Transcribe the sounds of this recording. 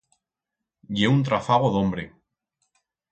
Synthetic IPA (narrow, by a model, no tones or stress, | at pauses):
jeunt̪ɾafaɣ̞oðombɾe